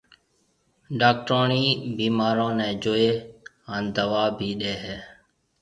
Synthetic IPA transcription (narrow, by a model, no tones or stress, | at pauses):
ɖaːk̚ʈoːɳiːbiːmaːɾõːnɛ̃ːd͡ʒoːeː | aːnd̪əʋaːbʱiːɗeːɦɛː